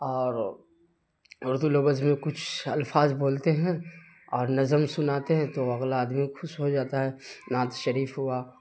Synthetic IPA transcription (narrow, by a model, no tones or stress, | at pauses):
ɔːɾ | ʊɾd̪ulobəzmẽkʊt͡ʃʰɐ̰lfaːzboːlt̪eɦɛ̃ | ɔːɾnɐzəmsʊnaːt̪eɦɛ̃t̪oɐɣlaaːd̪mixʰʊʃɦod͡ʒaːt̪aɦɛnãːt̪ʃɐɾiːfɦʊa